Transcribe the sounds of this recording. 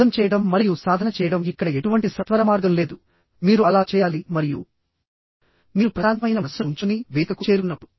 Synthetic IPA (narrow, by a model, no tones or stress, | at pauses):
ɐmt͡ʃɛːjɐɽɐmːɐɾijusaːd̪ʱɐnɐt͡ʃɛːjɐɽɐmikːɐɽɐe̞ʈuʋɐɳʈisɐt̪ʋɐɾɐmaːɾɡɐmle̞ːd̪u | miːɾuɐlaːt͡ʃɛːjaːlimɐɾijṵ | miːɾupɾɐaːd̪ɐmɐjnɐɐsɐuɲt͡ʃuniʋiːk̪ɐkut͡ʃeːɾunːɐpːuɽu